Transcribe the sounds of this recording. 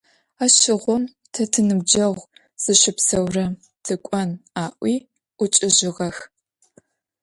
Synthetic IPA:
aːʃɪʁʷɔm | tʰɐtʰɨnɨbd͡ʒɐʁʷ | z̥ɨʃɪpsɐwrɐ | tʰɨkʷʼɐnaːʔʷiː | ʔʷʊt͡ʃʼɪʑɪʁɐx

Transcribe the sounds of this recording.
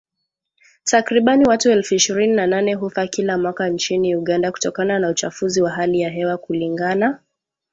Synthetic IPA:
takɾiɓaniwatuɛlfuiʃiɾininananɛɦufakilamwakant͡ʃiniuɠandaku̥tɔkananaut͡ʃafuziwaɦalijaɦɛwakuliŋɡana

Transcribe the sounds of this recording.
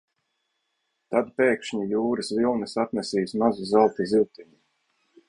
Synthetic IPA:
t̪ad̪peːkʃɲujuːɾɨsvilˠnɨsat̪nʲɛsiːsmazuzalˠt̪iziwt̪iɲu

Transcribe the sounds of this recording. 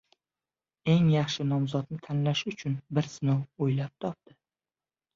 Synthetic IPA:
e̞ŋjɑχʃɪnɒmzɒt̪nɪt̪ʰanlaʃʊt͡ʃʰʊnbɪɾsɪnowojlap̚t̪ʰɒp̚t̪ɪ̥

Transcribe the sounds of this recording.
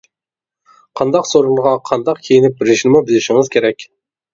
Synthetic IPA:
qʰɑnd̪ɑqsoɾulˠʁɑqʰɑnd̪ɑqkʲʰejinɪp̚bɪɾɪʃɪnɪmubɪlɪʃɪŋɪzkʲʰeɾɛkʲ

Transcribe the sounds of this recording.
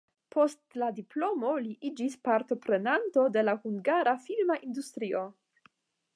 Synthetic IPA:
po̞stladiplo̞mo̞liʔid͡ʒispaɾt̪o̞pɾe̞nanto̞de̞lahuŋɡaɾafilmaʔind̪ust̪ɾiʔo̞

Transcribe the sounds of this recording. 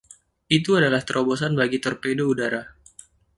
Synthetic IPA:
it̪uadalaht̪əɾʔobosanbaɡit̪ɔrpedoudaɾa

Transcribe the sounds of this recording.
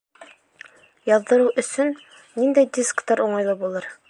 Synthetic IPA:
jɑððɤ̆ɾuʔɵ̆sɵnː | ind̪æjd̪ʲiskt̪ɑɾuɴɑjlˠɤbulˠɤɾ

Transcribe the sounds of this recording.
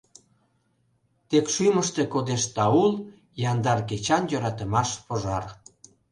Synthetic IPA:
t̪ekʃyjməʃt̪e̽kod̪eʃt̪ɑul | jɑnd̪ɑrket͡ɕɑnjøɾɑt̪ə̆mɑʃpoʒɑr

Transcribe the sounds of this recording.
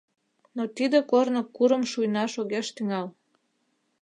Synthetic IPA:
not̪id̪ĕkornəkːuɾəmʃujnɑʃoɣeʃt̪yŋɑl

